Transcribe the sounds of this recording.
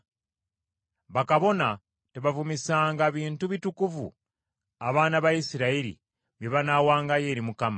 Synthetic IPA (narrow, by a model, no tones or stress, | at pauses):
βakaβo̞na | teβavumisaːŋɡaβiːntuβitukuvṵ | aβaːnaβajisiɾaiɾḭ | βjeβanaːwaːŋɡaje̞ːɾimukama